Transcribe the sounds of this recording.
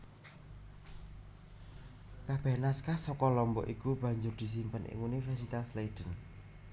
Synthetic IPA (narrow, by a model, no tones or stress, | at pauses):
kab̥ɛ̤naskasɔkɔlɔmbɔ̰ʔikub̥ä̤ɲd͡ʒʊrd̪̥i̤s̬impənʔḭŋunifɛrsit̪asleid̥ə̤n